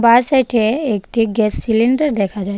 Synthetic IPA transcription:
baɾsajʈʰeekʈiɡɛssiliɳɖaɾd̪ɛkʰad͡ʑaj

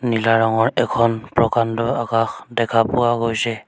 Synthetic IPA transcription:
nilaɹɔŋɔɹɛkʰɔnpɹɔkantɔakaxdɛkʰapʊwaɡojsɛ

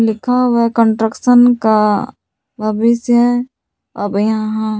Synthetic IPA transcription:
lɪkʰawkə̃ɳʈɾəkʃənka | baːbɪsɦɛ | ɐbjɦãɦã

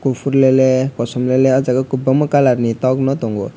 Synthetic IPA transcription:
kupʰuɾlelekɔsɔmleleʌd͡zaɡakubamakalaɾnit̪ɔɡnɔt̪ɔŋɡo

